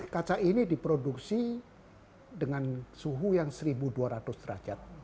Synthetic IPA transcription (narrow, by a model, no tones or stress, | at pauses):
kat͡ʃaʔinidipɾoduk̚si | dəŋansuɦujaŋsəɾibuduaɾat̪ʊst̪əɾa̰d͡ʒat̪̚